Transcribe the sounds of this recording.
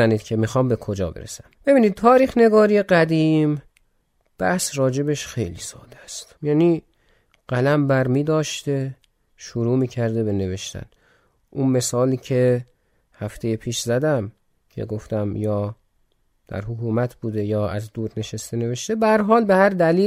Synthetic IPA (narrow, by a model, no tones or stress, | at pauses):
æniːd̪̥̚cʰe̞mixɒːmbe̞kʰod͡ʒɒ̰ːbḛɾḛsæmb̥e̞biːniːd̪̚t̪ʰɒːɾiːxne̞ɡɒːɾijeɢæd̪im | b̥æhsɾɒːd͡ʒe̞beʃxe̞jlḭːsɒ̰ːd̪æst̪jæːni | ɢ̥ælæmbæɾmiːd̪ɒːʃt̪e | ʃoɾuːmiːcʰæɾd̪e̞be̞ne̞ve̞ʃt̪æ̰n | ʔunme̞sɒːliːcʰe̞ | hæft̪ʰe̞jepʰiːʃzæd̪æm | cʰḛɡoft̪æmjɒː | d̪̥æ̰ɾɦokʰuːmæt̪ʰbuːd̪e̞jɒːæzd̪uːɾne̞ʃest̪ene̞veʃt̪e̞bæhæɾɦɒːlbehæɾd̪æliː